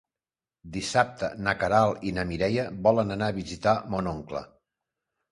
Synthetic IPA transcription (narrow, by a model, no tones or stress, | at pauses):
d̪isap̚t̪ənəkəɾalˠinəmiɾɛjəβɔlənənaːβizit̪amonoŋklə̰